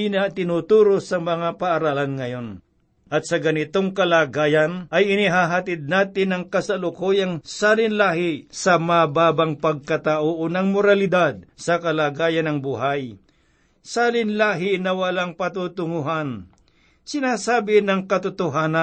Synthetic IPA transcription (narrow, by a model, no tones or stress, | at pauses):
inɐt̪ɪnut̪uːɾosɐmɐŋapɐʔːɾaːlɐnŋɐjo̞n | ʔɐt̪̚sɐɡɐnɪt̪oŋkɐlaːɡaːjɐnʔɐjɪnɪɦaɦat̪ɪd̪̚naːt̪ɪnɐŋkɐsɐlʊkojɐŋsalɪnlahɪsɐmɐbaːbɐŋpɐɡ̚kɐt̪aʔoʔonɐŋmoɾalɪd̪ad̪̚sɐkɐlaːɡaːjɐnɐŋbuɦaj | saːlɪnlaːɦɪnɐwɐlaŋpɐt̪ut̪ʊŋʊɦan | sɪnaːsaːbɪnɐŋkɐt̪ʊt̪ʊɦaːna